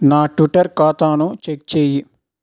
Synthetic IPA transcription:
naːʈʋiʈɐɾkaːt̪aːnut͡ʃek̚t͡ʃeːji

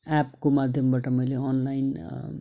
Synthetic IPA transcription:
apkomad̪ʱjʌmbaʈamʌjleʌnlajn

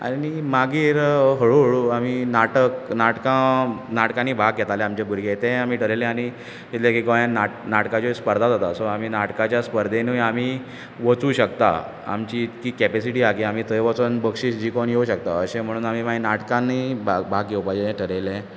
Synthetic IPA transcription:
a̰nimaɡiːɾɦəɭuɭaminaʈəknaʈkãnaʈkãniːbʱaɡɡʱɛt̪alɛamt͡ɕebʱuɾɡet̪ɛ̃amiːʈʰəɾelɛ̃aɽ̃i | t̪it̪lekikojanːanaʈkãt͡ɕɔspəɾd̪ʱad͡z̪at̪asoam̤iːnaʈkat͡ɕjaspəɾd̪ʱenuam̤iː | ʋət͡suːɕəkt̪a̰ | a̰mt͡ɕikiːkɛpesiʈiːaɡiamiːt̪ʰəjʋət͡sənbəkʂiːsd͡ʑiːkoɳjeuɕəkt̪a̰əɕẽm̤əɽũːnamimainaʈkãnibabʱaɡɡewpad͡ʑeʈʰəɾelẽ

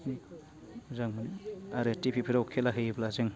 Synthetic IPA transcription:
uzaŋmaɾetipʰipʰiɾawkʰelaɦɯjblazɯŋ

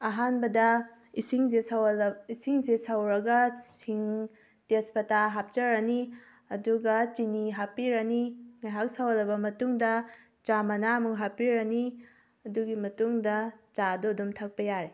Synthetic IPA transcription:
ɐɦanbɐdɐ | isiŋzeswisiŋzesawɾɐɡɐsiŋ | tespɐtaɦap̚t͡ʃɐɾɐni | ɐduɡɐt͡ʃiniɦapːiɾɐniŋajɦak̚sawɐlɐbɐmɐtuŋdɐ | t͡ʃamɐnamukɦapiɾɐni | ɐduɡimɐtuŋdɐt͡ʃadodumtʰɐk̚pɐjaɾe

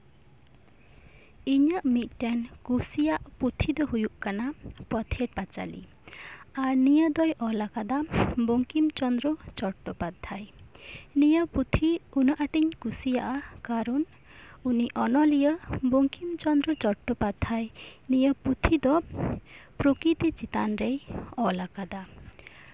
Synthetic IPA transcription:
iɲaʔmit̪̚ʈankusijaʔput̪ʰid̪ɔɦujuʔkanapɔt̪ʰeʈ̚pat͡ʃa̰lḭ | aɾnijəd̪ɔjʔɔlakad̪aboŋkimt͡ʃɔnd̪ɾɔt͡ʃɔʈːɔpad̪ʱːaj | nijəput̪ʰiunɔʔaʈiɲkusija̰ʔakaɾɔn | uniʔɔnɔlijəboŋkimt͡ʃɔnd̪ɾɔt͡ʃɔʈːɔpad̪ʱːajnijəput̪ʰid̪ɔ | pɾokɾit̪it͡ʃit̪anɾejɔlakad̪a

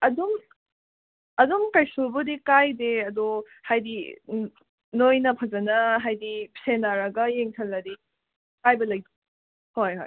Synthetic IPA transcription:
ɐdum | ɐdumkɐjsubudikajdeɐdo | hajdḭ | nojnɐpʰɐzɐnɐɦajdipsenaɾɐɡɐjeŋtʰɐlːɐdi | kajbɐlɐjdu | hojho̰j

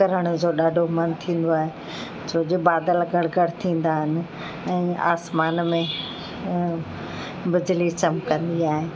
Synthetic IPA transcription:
kɐɾəɽ̃ʊd͡ʑoːɗaːɖʱomɐnt̪ʰĩːn̆d̪oaːɦe | soːd͡ʑebaːd̪əlɡʱɐɽɡʱɐɽ̤t̪ʰĩːn̆d̪aɦɪnɪ̆ | ɛ̃ːa̰ːsmaːnmẽ | bɪd͡ʑlit͡ɕɐmkɐ̃nd̪iaːɦeː

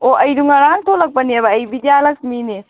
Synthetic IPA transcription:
oʔɐjduŋɐɾaŋtʰolɐk̚pɐniɐβɐːjbidijalɐk̚smini

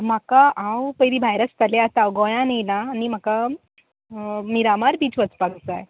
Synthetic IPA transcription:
m̤akaʔãwpəjɾibʱajɾəst̪əleat̪awɡɔjãnijlaːnim̤aka | miɾamaɾbiːt͡sʋət͡spaɡt͡saj

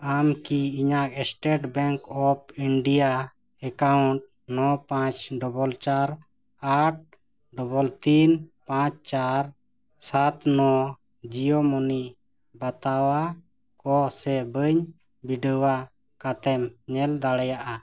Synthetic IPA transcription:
amkiiɲak̚ɛsʈeʈbɛŋkɔp̚iɳɖija | ɛkauɳʈ̚ | nɔpãt͡ʃɖɔbɔlt͡ʃaɾ | aʈ̚ | ɖɔbɔlt̪inpãt͡ʃt͡ʃaɾ | sat̪nɔ | d͡ʒijɔmɔni | bat̪awa | kɔsɛbəɲ | biɖəwa | kat̪ɛmɲɛld̪aɽɛjaʔa

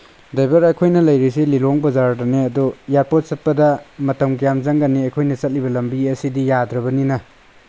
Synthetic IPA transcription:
dajbɐɾɐjkʰojnɐlɐjɾisililoŋbɐzaɾdɐneɐdujaɾpot̚sɐt̚pɐdɐmɐtɐmkijamzaŋɡaniɐjkʰojnɐt͡ʃɐt̚libɐlɐmbiɐsidijadɾɐbɐninɐ

